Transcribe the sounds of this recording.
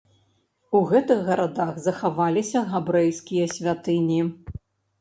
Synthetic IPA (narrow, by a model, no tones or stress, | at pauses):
uɣɛt̪ɨɣɣɐɾad̪aɣzɐxavalʲisʲɐɣabɾɛjskʲijɐsʲvʲat̪ɨnʲi